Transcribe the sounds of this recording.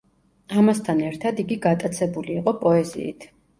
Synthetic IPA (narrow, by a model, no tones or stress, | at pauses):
amast̪ʰanɛɾt̪ʰad̪iɡiɡat̪ʼat̪sʰɛbuliːqʼɔpʼɔɛzḭḭt̪ʰ